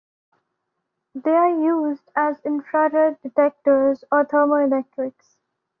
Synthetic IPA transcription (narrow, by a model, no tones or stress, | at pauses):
d̪eːaːɾjuːzɖæzɪ̃nfɾaɾəɖɪʈɛk̚ʈəɾzɔːt̪ʰəːmoɪlɛk̚ʈɾɪks